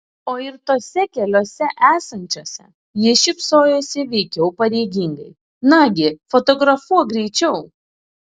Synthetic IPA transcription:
oːɪɾt̪oːsʲɛkʲɛlʲoːsʲɛʔæːsɐnʲt͡ʃʲoːsʲɛ̰ | jiɪʃʲɪpsoːjoːsʲɪʋʲɛɪkʲɛʊpɐɾʲɛɪɡʲiŋɡɐ̰ɪ | nɑːɡʲɪfɔt̪ɔɡɾɐfuɔɡɾʲɛɪt͡ʃʲɛʊ

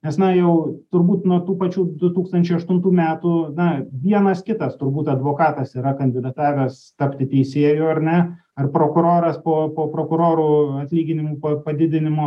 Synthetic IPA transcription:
nʲɛsnɐjɛʊt̪ʊɾbuːt̪nuɔt̪uːpɐt͡ʃʲuːd̪ʊt̪uːkst̪ɐnʲt͡ʃʲɛɪɐʃt̪ʊnt̪uːmʲæːt̪uːnɐʋʲiɛnɐskʲɪt̪ɐst̪ʊɾbuːt̪ɐd̪ʋoːkɑːt̪ɐsiːɾɐkɐnʲd̪ʲɪd̪ɐt̪ɑːʋʲɛst̪ɐpʲt̪ʲɪt̪ʲɛɪsʲeːjuːɐɾnʲɛ | ɐrpɾoːkʊɾoːɾɐspoːpoːpɾoːkʊɾoːɾuːɐt̪ʲlʲiːɡʲɪnʲɪmuːpɐpɐd̪ʲɪd̪ʲɪnʲɪmoː

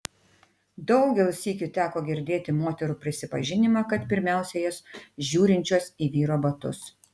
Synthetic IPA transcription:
d̪ɒʊɡʲɛlˠsʲiːkʲut̪ʲæːkoːɡʲɪɾʲd̪ʲeːt̪ʲɪmoːt̪ʲɛɾuːpʲɾʲɪsʲɪpɐʒʲɪnʲɪmɑːkɐt̪pʲɪɾʲmʲæˑʊsʲɛjoːsʒʲuːɾʲɪnʲt͡ʃʲuːsiːʋʲiːɾoːbɐt̪ʊ̰s

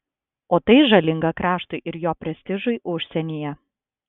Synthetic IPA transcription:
oːt̪ɐɪʒɐlʲɪŋɡɐkɾɑːʃt̪ʊɪʔɪɾjoːpʲɾʲɛsʲt̪ʲɪʒʊɪʔʊʃʲsʲɛnʲijɛ

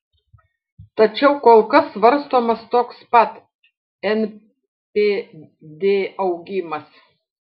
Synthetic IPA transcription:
t̪ɐt͡ʃʲɛʊkoːlˠkɐsʋɐɾst̪oːmɐst̪oːkspɐt̪ | ɛn | pʲeː | d̪ʲeːɐʊɡʲɪmɐs

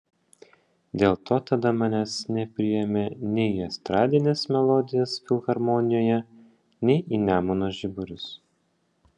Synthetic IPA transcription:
d̪ʲeːlˠt̪ʰoːt̪ɐd̪ɐmɑnʲæːsnʲɛpʲɾʲɪjɛmʲeːnʲɛɪiɐst̪ɾɑːd̪ʲɪnʲeːsmʲɛlˠɔd̪ʲɪjɛsfʲɪlˠɣɐɾmɔnʲɪjoːjɛ | nʲɛɪʔinʲæːmʊnoʒʲɪbʊɾʲʊs

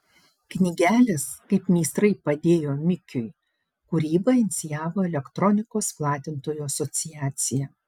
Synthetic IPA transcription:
knʲɪɡʲæːlʲɪskɐɪpmʲiːst̪ɾɐɪpɐd̪ʲeːjoːmʲɪkʲʊj | kʊɾʲiːbɐɪnʲɪt̪sʲɪjæːʋoːɛlʲɛkt̪ɾɔnʲɪkoːsplˠɑːt̪ʲɪnt̪oːjuɐsɔt̪sʲɪjæːt̪sʲɪjɛ

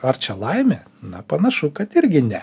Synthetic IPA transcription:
ɐrt͡ʃʲɛlˠɐɪmʲɛ | nɐpɐnɐʃʊkɐt̪ɪɾʲɡʲɪnʲɛ

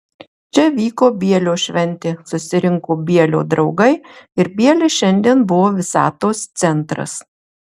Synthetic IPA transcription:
t͡ʃʲɛʋʲiːkoːbʲiɛlʲoːʃʲʋʲɛnʲˑt̪ʲeːsʊsʲɪɾʲɪŋkoːbʲiɛlʲo̰ːd̪ɾɒʊɡɐɪɪɾbʲiɛlʲɛɪʃʲɛnʲd̪ʲiɛnbʊʋoːʋʲɪsɑ̰ːt̪oːst̪sʲɛnt̪ɾɐ̰s

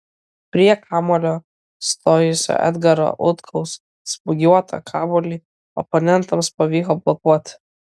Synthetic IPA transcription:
pʲɾʲiɛkʰɑːmɔlʲoː | st̪oːjʊsʲo̰ʔɛ̰d̪ɡɐɾo̰ʔʊt̪kʰɐʊs | spʊɡʲuɔt̪ʰɐ̰kʰɑːbɔlʲi | ɔ̰pɔnʲɛnt̪ɐmspɐʋʲiːkoblˠɔkuɔt̪ʲ

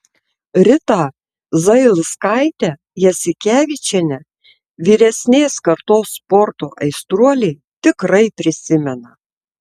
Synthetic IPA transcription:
ɾʲɪt̪ɑː | zɐɪlˠskɑɪt̪ʲæ | jɛsʲɪkʲæːʋʲit͡ʃʲɛnʲɛ | ʋʲiːɾʲɛsʲnʲeːskɐɾt̪oːspɔɾt̪oːʔɐɪst̪ɾuɔlʲɛɪ | t̪ʲɪkɾɐɪpʲɾʲɪsʲɪmʲɛnɐ

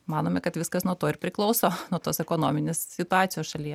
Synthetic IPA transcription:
mɑːnoːmʲɛkɐt̪ʋʲɪskɐsnuɔt̪oːɪɾpʲɾʲɪklˠɒʊsoːnuɔt̪oːsɛkoːnoːmʲɪnʲeːssʲɪt̪ʊɑːt̪sʲɪjoːsʃɐlʲijɛ

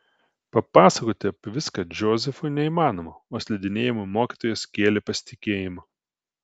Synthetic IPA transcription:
pɐpɑːsɐkoːt̪ʲɪɐpʲʋʲɪskɐd͡ʒʲoːzʲɛfʊɪnʲɛiːmɑːnoːmɐoːsʲlʲɛd̪ʲɪnʲeːjɪmʊmoːkʲiːt̪oːjɛskʲeːlʲepɐsʲɪ̥t̪ʲɪkʲeːjɪmɐ

